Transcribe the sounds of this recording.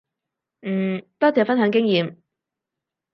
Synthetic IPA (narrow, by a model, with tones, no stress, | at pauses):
n̩ː˥˩t̪ɔː˥t͡sɛː˨˩fɐ˥nɦœ˨˧˥ŋk̬ɪ˥ŋjiː˨m